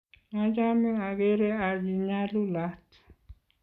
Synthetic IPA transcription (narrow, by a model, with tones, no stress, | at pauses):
a˦d͡ʒa˦mi˦a˨ɣɛ˦ɾɛ˦a˨βi˨ɲa˦lu˦la˦t